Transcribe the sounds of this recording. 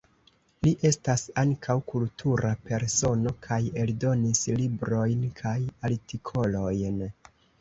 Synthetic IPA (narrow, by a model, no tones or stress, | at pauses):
liʔe̞stasaŋkʰawkultʰuɾape̞ɾso̞no̞kʰaje̞ldo̞nislibɾo̞jnkʰajaltikʰo̞lo̞jn